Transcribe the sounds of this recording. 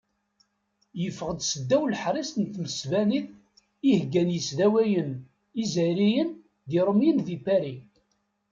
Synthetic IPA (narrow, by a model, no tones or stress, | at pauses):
jəfːəʁd̪səd̪ːæwlħɾˤist̪nt̪məsvænið | ihɡːænjəsðæwæjən | izæɾijən | ðiɾˤəmjənðipːæɾi